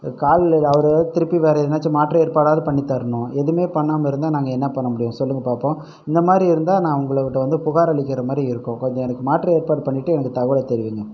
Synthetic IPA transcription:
kaːlɐʋɐɾt̪ɪɾɯpːiʋeːɾɐɪðɯnːaːt͡ʃːɯmaːʈɾɐeːɾpaːɽaːðɯpɐɳːit̪ːɐɾɯɳʊ̃ɛðɯmeːpɐɳːaːmɪɾɯnd̪aːnaːŋɡɐɛnːɐpɐɳːɐmʊɽɪjʊ̃sɔlːɯŋɡɐpaːɾpõː | ɪnd̪ɐmaːd̪ɾiɪɾɯnd̪aːnãːʊŋɡɐɭɐʋɪʈːɐʋɐnd̪ɯpʊɣaːɾɐɭɪkːɪɾɐmaːd̪ɾiɪɾɯkːʊ̃kɔɲd͡ʒɔ̃ɛnɐkːɯmaːʈɾɐeːɾpaːɽpɐɳːɪʈːɯɛnɐkːɯt̪ɐɣɯɽɐt̪ɛɾɪʋiːŋɡɐ

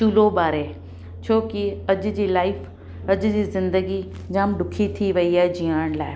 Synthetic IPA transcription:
ʃuːlobaːɾeː | t͡ɕʰoːkiɐʄʊ̆d͡ʑiːlaːɪf | ɐʄʊd͡ʑiːzɪ̃nd̪əɡi | d͡ʑãːmɖʊkʰit̪ʰiʋɐiaːɦed͡ʑiaːɽ̃la̰ːɪ

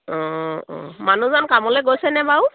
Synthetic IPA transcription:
ɔ̃ɔ̰̃manuzankamɔlojɡojsɛnɛbaʊ

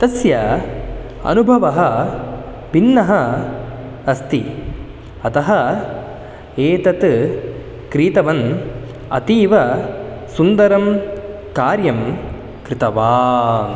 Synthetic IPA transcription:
t̪ɐsjɐ | ɐ̰nubʱɐʋɐɦɐ | bʱinːɐɦɐ | ɐst̪i | ɐt̪ɐɦɐ | eːt̪ɐt̪ | kɾiːt̪ɐʋɐn | ɐ̰t̪iːʋɐsund̪ɐɾɐm | kaːɾjɐm | kɾɪt̪ɐʋaː

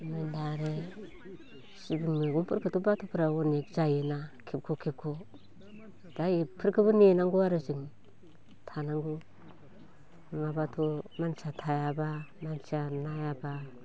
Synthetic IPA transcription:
mandaɾe | sibiŋmeɡumpuɾkətubatupuɾawonekd͡ʒajinakʰep̚kʰokeb̚kʰo | d̥ajipəɾkibunenaŋɡuaɾid͡ʒiŋ | tʰanaŋɡu | ŋabatʰomant͡ʃatʰajabamant͡ʃanajaba

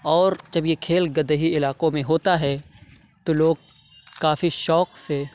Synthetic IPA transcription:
ɔːɾd͡ʒɐbjekʰeːlɡɐd̪əɦiɪlaːqõmẽɦoːt̪aɦɛː | t̪oloːɡ̚ | kaːfiʃɔːqse

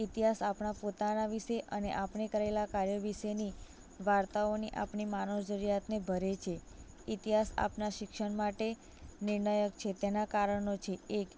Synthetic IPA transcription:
it̪iɦasapɳapot̪anaʋiʃeʔənḛʔapɳekəɾaelakaɾjəʋiʃeni | ʋaɾt̪aoniʔa̰pɳimanod͡ʒəɾijat̪nebʱəɾet͡ʃʰe | it̪iɦasa̰pnaʃɪkʃəɳmaʈe | nɪɾɳəjəkt͡ʃʰet̪enakaɾəɳot͡ʃʰeːk

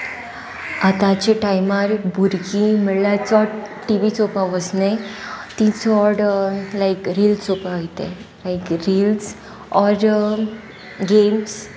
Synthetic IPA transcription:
at̪ãt͡ɕeʈajmaɾbʱuɾkĩməɽlat͡sɔɽʈiʋit͡sopaʋəsnet̪it͡sɔɽlajkɾiːlt͡sopaojt̪ḛ | lajkɾiːls | ɔɾ | ɡems

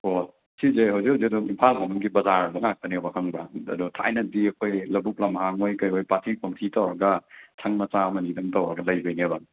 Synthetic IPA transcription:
o | sʰizehɐwzikhɦɐwziduŋimpʰalkamɐnɡibɐzaɾɐbɐŋak̚tɐniowbɐkʰɐŋbɐɐ̰dutʰa̰jnɐdiɐkʰojlɐbuk̚lɐmɦaŋojkɐjojpatʰikʰomtʰitɐwɾɐɡɐtʰaŋmɐt͡ʃamɐnidɐmtɐwɾɐɡɐlɐjbɐjniɐbɐ

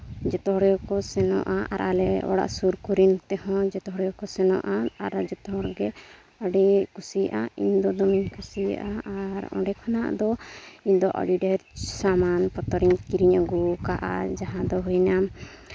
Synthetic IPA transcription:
d͡ʒɛt̪ɔɦɔɽjɔkɔsɛnɔ̰ʔaʔa̰ɾʔa̰lɛɔ̰ɽa̰ʔsuɾkuɾint̪ɛɦɔ̃d͡ʒɛt̪ɔɦɔɽjɔkɔsɛnɔ̰ʔaaɾd͡ʒɛt̪ɔɦɔɾɡɛ | əɖikusijʔaḭɲd̪ɔd̪ɔmiɲkusijʔaaɾɔ̰̃ɖɛkʰana̰ʔd̪ɔiɲd̪ɔʔə̰ɖiɖɛɾsamanpɔt̪ɔɾiɲkiɾiɲəɡukaʔa̰d͡ʒaɦãd̪ɔɦujna

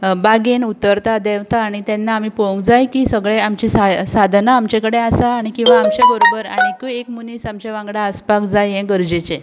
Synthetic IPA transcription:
baɡenut̪ːəɾt̪ad̪eʋt̪aːɽ̃it̪ɛnːaːmiːpəũŋkd͡zajkisəɡɭeamt͡ɕisasad̪ʱnaːmt͡ɕekəɽeasaːɽ̃ikĩw̃ʋaːmt͡ɕeboɾobəɾa̰ɽ̃ikuekmuniːsamt͡ɕeʋãŋɡɽaəspakd͡zajɛ̃ɡəɾd͡ʑet͡ɕẽ

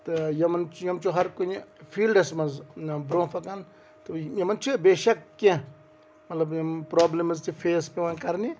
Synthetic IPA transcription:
t̪ɨjɐmɐnt͡ʃjɐmt͡ʃuɦɐɾkunfʰiːlɖɐsmɐznbɾõːfɐkɐn | t̪ɨjɐmɐnt͡ʃʰubeːʃɐkːẽ | mɐt̪lɐbjɐmpɾoːblemɐzt̪ifʰeːspeʋɐnkɐɾni

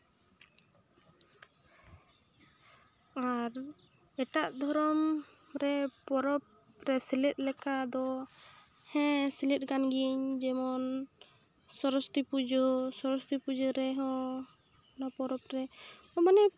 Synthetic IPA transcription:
aɾ | ɛʈaʔd̪ʱɔɾɔm | ɾɛpɔɾɔp̚ | ɾɛsilɛt̪̚ˀlɛkad̪ɔ | hɛ̃silɛt̪̚ˀɡanɡiəɲd͡ʒɛmɔn | sɔɾɔst̪ipud͡ʒɔsɔɾɔst̪ipud͡ʒɔɾɛɦɔ̃ | napɔɾɔp̚ɾɛ | ɔmanɛ

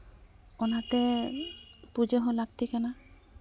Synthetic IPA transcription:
ɔnatɛ | puzɛɦɔ̃lak̚tikana

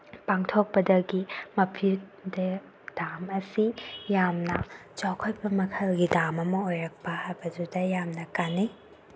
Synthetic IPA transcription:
paŋtʰok̚pɐdɐɡimɐpʰide | d̥amɐsijamnɐt͡ʃawkʰojbɐmɐkʰɐlɡidamɐmɐojɾɐk̚pɐhɐbɐd͡ʒudɐjamnɐkani

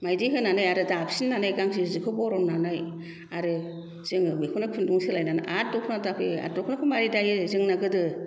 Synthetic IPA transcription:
majdiɦɯnanajaɾɯdapsinːanajɡaŋsizɯkʰɯbɔɾɔnnanaj | aɾɯ | z̥ɯŋɯmekʰunɯkʰɯnduŋsɯlajnana̰ʔatɔkʰunatapʰea̰tɔkʰunakʰɯmaɾidajɯzɯŋnaɡɯdɯ

